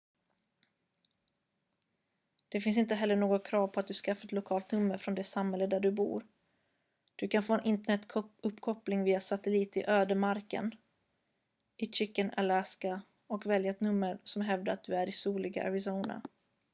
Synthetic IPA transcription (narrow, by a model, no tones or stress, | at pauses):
d̪̥ɛfɪns̬ɪnt̪əɦɛlːəɳoːɡɔkʰɾɑːvpʰɔat̪̚d̪ɵskafːaɛt̪lʊkʰɑːlt̪nɵmːəɾfɾɔnd̪ɛsamhɛlːəd̪æɖɵbṵːɾ | d̪̥ɵkʰanfoːɛnɪnt̪əɳɛt̪ːʰɵpːkʰɔplɪŋviːasat̪əliːt̪ɪʔøːd̪əmaɾkə̰n | ɪt͡ʃɪkːəna̰laska | ɔkvɛljaɛt̪nɵmːəɾsɔmɦɛvd̪əɾat̪̚d̪ɵæɾɪsuːlɪɡa̰ʔɛ̰vɪsuːna̰